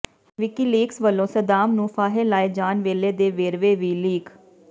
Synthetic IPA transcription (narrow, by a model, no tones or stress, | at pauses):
ʋɪkiːliːksʋəlːõːsəd̪aːmnũːpʰaːɦeːlaːeːd͡ʒaːnʋeːleːd̪eːʋeːɾʋeːʋiːliːkʰ